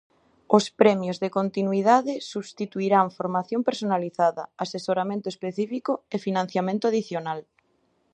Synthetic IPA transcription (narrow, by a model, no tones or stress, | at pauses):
ospɾɛmjozðekont̪inwið̞aðesuβst̪it̪uiɾaɱfoɾmaθjompeɾsonaliθaðɐ̰asesoɾamẽnt̪oespeθifikoefinãn̟θjamẽnt̪oaðiθjonal